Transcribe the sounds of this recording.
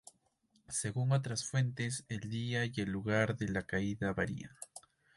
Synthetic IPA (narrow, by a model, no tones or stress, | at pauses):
se̞ɣuŋo̞t̪̬ɾasfwe̞nt̪e̞se̞ld̪iaie̞lːuɣaɾðe̞lakaiðaβaɾḭa̰